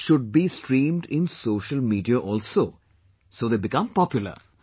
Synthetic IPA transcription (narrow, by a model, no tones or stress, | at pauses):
ʃʊɖ̚bisʈɾĩːmɖɪ̃nsoːʃəlmiːɖiaʔɔlso | soːd̪ebɪkʌ̃mpɔpjulə̰ɾ